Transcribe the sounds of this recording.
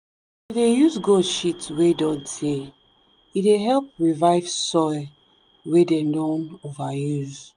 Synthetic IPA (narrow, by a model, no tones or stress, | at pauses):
idejuzɡoʃitwedɔ̃ntʰe | ideɦɛlp̚ɹivaɪvsɔjl | wedɛ̃ndɔ̃novajuz